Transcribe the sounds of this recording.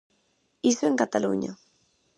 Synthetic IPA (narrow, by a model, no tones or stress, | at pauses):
isweŋkat̪alṵɲa̰